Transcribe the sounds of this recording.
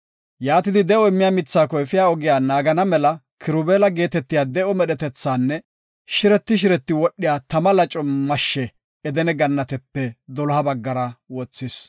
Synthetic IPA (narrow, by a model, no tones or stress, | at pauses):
jaːt̪ɪd̪ɪd̪ɛɔɪmːɪjaːmɪt͡sːaːkɔfɪjaːɔɡɪjaːnaːɡɐnɐmɛlɐ | kʰɪɾʊbeːlɐɡeːt̪ɛt̪ːɪjaːd̪ɛʔɔmɛɗɛt̪ɛt͡sːaːnːɛ | ʃɪɾɛt̪ːɪʃ̬ɪɾɛt̪ːɪwɔɗːɪjaːt̪ɐmɐlɐt͡ʃʼɔmɐʃːɛ | ɛd̪ɛnɛɡɐnːɐt̪ɛpːɛd̪ɔlɔhɐbɐɡːɐɾɐwɔt͡sːɪs